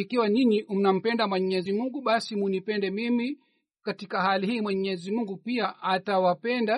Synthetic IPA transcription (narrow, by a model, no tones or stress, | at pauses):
ikiwaniɲim̩nam̩pɛndamwɛɲɛzimuŋɡuɓasimunipɛndɛmimi | katikaɦalihiːmwɛɲɛzimuŋɡupiaʔatawapɛnda